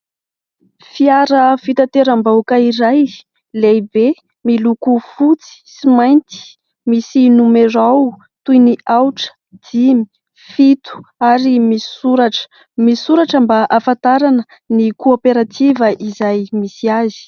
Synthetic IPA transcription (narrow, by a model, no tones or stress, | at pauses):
fiaɾəfit̪at̪eɾambawkaiɾaj | lejbe | milukufut͡si̥simajnt̪i̥ | misinumeɾaw | t̪ujniʔawʈ͡ʂə̥ | d̪̥imi̥ | fit̪u̥aɾimi̥suɾaʈ͡ʂə̥ | misuɾaʈ͡ʂambaʔafant̪aɾanə | nikoopeɾat̪ivəʔizajmisiazi̥